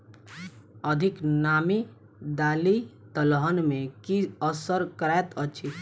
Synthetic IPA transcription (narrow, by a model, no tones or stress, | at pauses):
əd̪ʱiknami | d̪aːlit̪əlɦənmẽkiəsəɾkɾɛt̪ət͡ʃʰi